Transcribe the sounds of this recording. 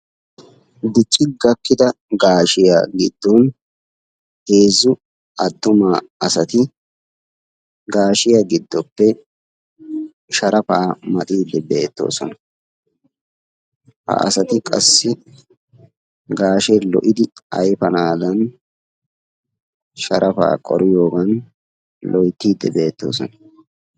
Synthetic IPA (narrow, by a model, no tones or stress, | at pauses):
d̪ɪt͡ʃʼːɪɡɐkːɪd̪ɐɡaːʃɪja̰ɡɪd̪ːɔn | he̞ːzːʊ | ɐd̪ːʊmaːɐsɐt̪ɪ | ɡaːʃɪjaɡɪd̪ːɔpːɛ | ʃɐɾɐpaːmɐt̪ʼiːd̪ːɛbeːt̪ːo̞̰ːsɔnɐ | hɐ̰ʔɐ̰sɐt̪ɪkʼɐ̰sːɪ | ɡaːʃɛlɔ̰ʔɪd̪ɪɐ̰jfɐnaːd̪ɐn | ʃɐɾʔɐfa̰ːkʼɔ̰ɾɪjo̞ːɡɐn | lʔɔjt̪ːiːd̪ːɛbe̞ːt̪ːo̞̰ːsɔ̰nɐ